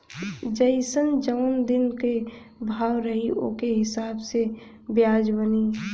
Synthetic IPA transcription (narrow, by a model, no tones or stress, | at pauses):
d͡ʒəɪsənd͡ʒəʊnd̪ɪnke | bʱaːwɾəɦiʔo̰keɦɪsaːbse | bjaːd͡ʒbəniː